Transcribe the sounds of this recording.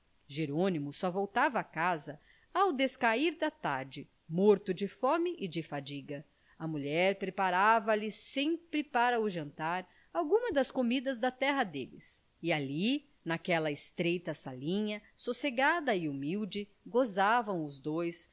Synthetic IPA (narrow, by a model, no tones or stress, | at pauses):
ʒeɾõnimʊsɔvowt̪avɐːkazɐ | awd̪eskaiɾd̪ɐt̪aɾd͡ʒɪ | moɾt̪ʊd͡ʒɪfɔ̃mɪʔɪd͡ʒɪfad͡ʒiɡɐ | ɐmuʎɛɾpɾepaɾavɐlɪsẽmpɾɪpaɾɐʊʒɐ̃nt̪aɾ | awɡũmɐd̪ɐskomid̪ɐzd̪ɐt̪ɛɦɐd̪ḛlɪ̰s | iali | nakɛlɐɪst̪ɾejt̪ɐsalĩɲɐsoseɡad̪ɐɪumiwd͡ʒɪ | ɡozavɐ̃w̃ʊzd̪ojs